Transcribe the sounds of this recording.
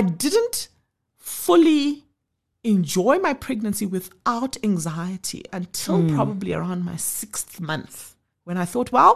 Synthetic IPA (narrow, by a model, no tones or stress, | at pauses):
aɪdɪdⁿnt | fʊli | ɛ̃nd͡ʒɔɪmaɪpʰɹ̥ɛɡ̚nə̃nsiwɪðaʊtʰæ̃ŋzaɪɨtʰḭə̃ntʰɪlˠpʰɹ̥ɔbəbliə̰ɹãʊ̃ndmaɪsɪksθmʌ̃nθ | wɛ̃ñaɪθɔt̚ʰwɛlˠ